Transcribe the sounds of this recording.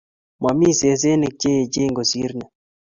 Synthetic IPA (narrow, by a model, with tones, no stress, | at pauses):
ma˨mi˦se˨˦s̬e˦nɪ˨k̚t͡ʃe˦˨d͡ʒe˦ŋɡo˨si˦ɾnɛ˨